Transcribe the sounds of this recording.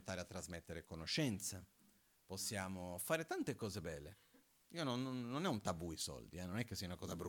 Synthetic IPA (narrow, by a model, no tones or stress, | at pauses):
t̪aːɾeat̪ːɾazmet̪ːeɾekonoʃɛnt̪sa | posːjaːmofaːɾet̪ant̪ekɔːzebɛːlːe | iːononːonɛunt̪abuisɔ̰ld̪ḭɛnonɛk̟ːesːiaunakɔːzabɾu